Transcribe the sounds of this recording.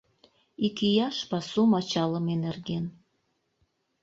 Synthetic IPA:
ikijɑʃpɑsumɑt͡ɕɑləmenerɡen

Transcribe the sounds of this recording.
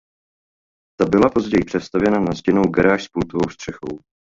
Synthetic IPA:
t̪abɪlapo̞zɟɛjɪpr̥ɛt̪st̪avjɛnanazɟɛno̞wɡɛɾaːʃspuːt̪ovowst̪r̝̥ɛxo̰w

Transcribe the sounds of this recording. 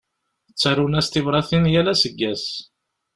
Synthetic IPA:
ət͡sːæɾunæst̪ivɾˤɑθinjælæsəɡːæs

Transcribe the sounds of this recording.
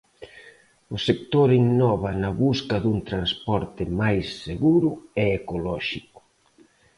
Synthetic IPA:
ʊsek̚t̪oɾiŋnɔβɐnɐβuskɐðuŋt̪ɾanspɔɾt̪ɪmajsːeɣuɾʊɛːkolɔʃikʊ̥

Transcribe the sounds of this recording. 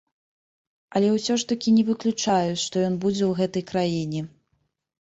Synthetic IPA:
ɐlʲɛwsʲɔʂt̪ɐkʲinʲɛvɨklʲut͡ʂajut͡sʲʂt̪ɔjɔnbud͡zʲɛwɣɛt̪ɐjkɾajinʲɛ

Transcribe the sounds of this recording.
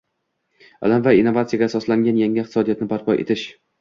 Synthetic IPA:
a̰lamvainːovat̪sɪjaɡʲaːsɒslaŋɡʲanjaŋʲɪqt̪ɪsɒd̪ijɒat̪nɪbaɾpʰɒjʔḛt̪ʰɪʃ

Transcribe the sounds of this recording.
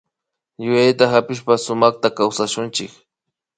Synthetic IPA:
jʊjajt̪aɦapɪʃpasʊmɑχt̪akawsaʃʊnt͡ʃɪk

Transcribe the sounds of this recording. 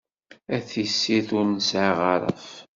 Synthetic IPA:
æθisːiθʊɾnəsʕaʁɑɾˤə̰f

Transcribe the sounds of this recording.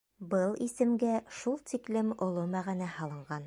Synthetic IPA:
bɤlˠisɘ̆mɡæʃulˠt̪iklɘmŏlˠomæʁænæhɑlˠɤ̆ɴɢɑn

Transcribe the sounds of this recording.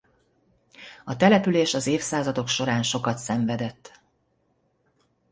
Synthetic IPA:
ɒt̪ɛlɛpyleːʃɒzeːfsaːzɒd̪o̞kʃo̞ɾaːnʃo̞kɒt̪sɛɱvɛd̪ɛt̪ː

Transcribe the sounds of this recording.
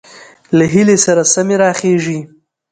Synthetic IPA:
laɦilesaɾasameɾɑːχeʐi

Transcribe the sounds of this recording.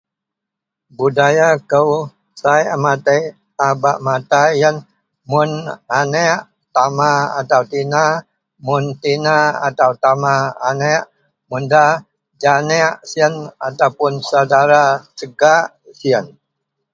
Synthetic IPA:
budajakəw | sajamat̪əj | abaʔmat̪ajən | mʊnanɛʔ | t̪amaa̰t̪awt̪ina | mʊnt̪inaa̰t̪awt̪amaːnɛʔ | munda | d͡ʒanɛʔsiənat̪awpʊnsawdaɾasəɡaʔ | siən

